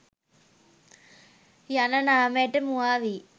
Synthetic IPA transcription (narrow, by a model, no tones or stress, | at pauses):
janɐnameːʈemuaːʋi